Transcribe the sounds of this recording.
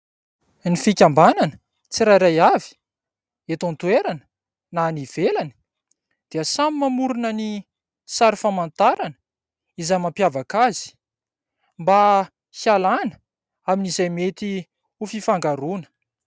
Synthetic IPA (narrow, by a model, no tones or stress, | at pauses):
nifikʲambananə | t͡siɾajɾajavi̥ | et̪ont̪ueɾanə̥ | naniv̥elani̥ | d̪̥iəsamimamuɾunəni | saɾifamant̪aɾanə̥ | izajmampjavakazi̥ | mba | hialanə | aminizajmet̪i | ufifaŋɡaɾunə̥